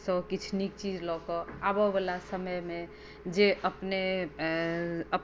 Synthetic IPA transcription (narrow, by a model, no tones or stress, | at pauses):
sɔ̃kit͡ʃʰnik̚t͡ʃid͡ʒlɔkɔabɔbəlasəməjmẽ | d͡ʒeʔəpne | əp